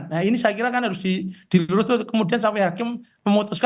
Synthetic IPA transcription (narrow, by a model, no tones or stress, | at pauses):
nːainisajakiɾakanɦaɾʊsdid̥iluɾʊt̪kəmudians̬ampɛɦakɪmməmut̪uska